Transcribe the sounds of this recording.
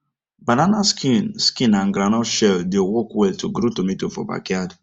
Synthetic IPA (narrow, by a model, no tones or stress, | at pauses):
bananaskinskĩnãnɡɾanɔʃɛldewɔkwɛltuɡɾotumitufɔ̰ba̰kjad